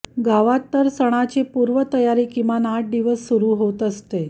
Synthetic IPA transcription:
ɡaʋat̪ːəɾsəɽ̃at͡ɕepuɾʋət̪əjaɾiːkimanaʈ̚d̪iʋəsːuɾuːɦot̪əst̪e

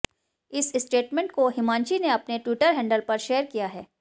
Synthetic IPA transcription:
ɪsɪsʈeːʈmẽɳʈkoɦɪmãːnt͡ʃineɐpneʈwiːʈəɾɦɛ̃ːɳɖəlpɐɾʃeːəɾkijaɦɛː

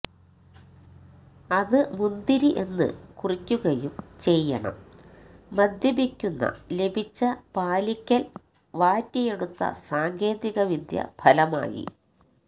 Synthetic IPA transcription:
ɐðɨmund̪iɾiʔe̞nːɨ̰kurikʲːuɣɐjumt͡ɕe̞jːɐ̰ɳɐ̰mː | ɐd̪ʱjɐbikʲːunːɐ̰le̞bʱit͡ɕːɐpaːlikʲːɐl | ʋaːtːije̞ɽut̪ːɐ̰saːŋɡe̞ːd̪iɣɐʋid̪ʱjɐ̰bʱɐlɐma̰ːjḭ

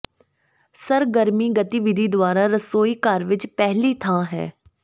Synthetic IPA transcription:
səɾɡəɾmiːɡət̪iʋɪd̪ʱiːd̪ʊaːɾaːɾəsoːiːkaːɾʋɪt͡ʃpɛɦliːt̪ʰãːɦɛ̰ː

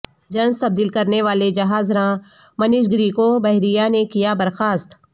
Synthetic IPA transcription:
d͡ʒɐ̃nst̪ɐb̚d̪iːlkɐɾneʋaːled͡ʒɐɦaːzɾãː | mɐnɪʃɡɾiːkobɐɦɾijanekijabɐɾxaːst̪

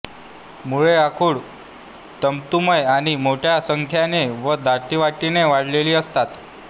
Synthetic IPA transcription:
muɭeakʰuːɽ | t̪əmt̪uməjaɽ̃imoʈʰjasəŋkʰjaneʋəd̪ʱat̪iʋaʈineʋaɽ̤leliːəst̪at̪

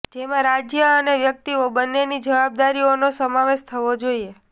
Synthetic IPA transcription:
d͡ʒemãɾad͡ʒjəəneʋjək̚t̪iobənːenid͡ʒəʋab̚d̪aɾionosəmaʋeʃt̪ʰəʋod͡ʒoie

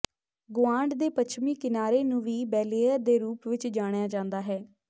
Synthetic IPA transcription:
ɡʊãːɳɖd̪eːpət͡ʃʰmiːkɪnaːɾeːnũːʋiːbɛːleːəd̪eːɾuːpʋɪt͡ʃd͡ʒaːɽ̃ejaːd͡ʒãːnd̪aːɦɛː

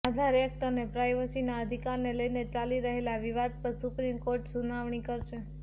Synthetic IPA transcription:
ad̪ʱaɾek̚ʈənepɾajʋəsinaəd̪ʱikaɾneləjnet͡ʃaliɾəɦelaʋiʋad̪̚pəɾsupɾimkoɾʈsunaʋɳikəɾʃe

